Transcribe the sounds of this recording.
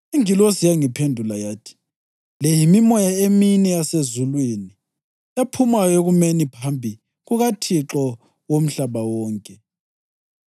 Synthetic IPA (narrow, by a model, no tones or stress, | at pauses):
eŋilosijaŋipʰendʱulajaːtʰi̥ | lɛjimimɔjaeminɛjasezulweːni | japʰumajoɣumenipʰambʱi | ɣuɣatʰiǁɔ | wom̩ɬaβawɔːŋkʼɛ